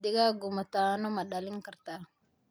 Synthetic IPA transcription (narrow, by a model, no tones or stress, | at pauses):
diɡaɡumat̪aːnomɐɗalɪŋkɐɾt̪a